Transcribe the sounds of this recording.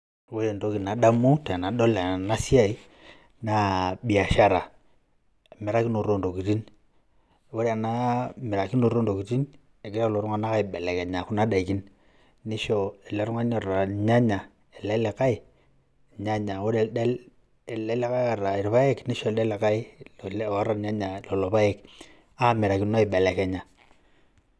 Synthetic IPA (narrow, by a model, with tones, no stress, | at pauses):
wɔ˦jɛ˨ndo˨˦ki˨na˨ɗa˦mu˦ta˨na˨ɗɔ˦la˨na˦si˦a˦i˦ | na˨ɓi˨a˨ʃa˦ɾa˨ | mɛ˨ɾa˦ki˦no˨ɾo˦˨ndo˨ki˨ti˦n | wɔ˦ɾa˨na˦mɛ˨ɾa˨ki˦no˨ɾo˦ndo˨ki˨ti˦n | ɛ˨ki˦ɾa˦u˦lɔ˨ɾu˦ŋa˨˦na˦ka˦i˨ɓɛ˨lɛ˨kɛ˨ɲa˨ku˦na˦da˨i˨ki˦n | ni˦ʃɔ˨ɛ˨lɛ˨˦ɾu˦ŋa˦ɲɔ˨ra˨ɲa˦ɲa˨ | ɛ˨lɛ˦lɛ˨ka˦ɪ˨ | ɲa˦ɲa˨wo˦ɾe˨dɛ˦l | lɛ˦lɛ˦ka˦ja˨ra˨i˨ɾpa˦ɛ˦kni˦ʃɔ˨dɛ˦lɛ˨ka˦i˦˨la˦ra˨˦ɲa˦ɲa˨lo˨lɔ˨pa˦ɛ˦k | a˦mɛ˨ɾa˨ki˦no˦i˨bɛ˨lɛ˨kɛ˨ɲa˨